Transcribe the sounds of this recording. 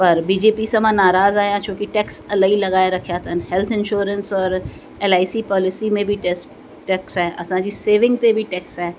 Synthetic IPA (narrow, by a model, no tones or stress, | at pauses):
pəɾbiːd͡ʒeːpisɐmãːnaːɾaːzaːjãːt͡ʃõːkiʈɛːksəlaːiləɡaːeɾɐkʰjaːt̪ənhɛlt̪ʰɪnʃoːɾə̃nsɔːɾ | ɛːlaːɪsipɔːlɪsimẽbʱiʈɛs | ʈɛːksɦɛːʔɐ̰sãd͡ʒiseːʋɪ̃ŋɡ̚t̪ebʱiʈɛːksɦɛː